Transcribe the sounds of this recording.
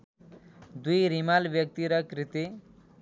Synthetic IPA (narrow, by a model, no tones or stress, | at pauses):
d̪ujɾimalʋjək̚t̪iɾɐkɾɪt̪i